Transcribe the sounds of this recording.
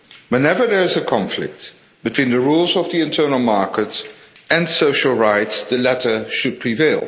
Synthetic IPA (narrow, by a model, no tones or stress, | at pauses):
wɛ̃nɛvə˞ðəɹɪzəkʰɑ̃ɱflɪ̰k̚t | b̥ɨtʰw̥ĩːnðəɹulˠzʌvðiɨ̃ntʰɜ˞nl̩ˠmɑɹkəts | ɨ̃nsoʊʃl̩ˠɹaɪtsðəlɛtə˞ʃɨd̚pʰɹ̥iveɪlˠ